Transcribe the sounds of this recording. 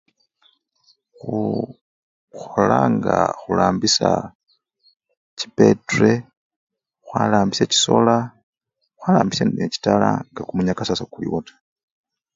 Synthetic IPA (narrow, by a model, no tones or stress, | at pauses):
xu | xolaːŋɡaxulaːmbisa | t͡ʃi̥pe̞tre | xwalaːmbiseci̥so̞la | xwalaːmbiseneci̥talaŋɡakumuɲakasasakulḭwotʰḁ